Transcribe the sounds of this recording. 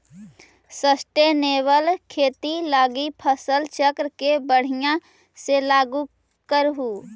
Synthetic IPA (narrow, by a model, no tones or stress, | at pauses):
səsʈeneːwəlkʰeːt̪ilaːɡipʰəsəlt͡ʃəkɾkebəɽ̤ɪjã | selaːɡu | kəɾɦuː